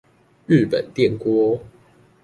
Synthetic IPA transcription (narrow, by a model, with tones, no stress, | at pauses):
ɻ̩˥˨pə˨˩nt̪jɛ˥˨nkwɔ˦